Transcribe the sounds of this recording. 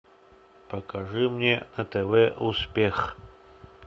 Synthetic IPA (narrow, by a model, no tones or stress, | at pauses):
pʰɐkʰɐʐɨmnʲenɐt̪ʰevɛuspʲex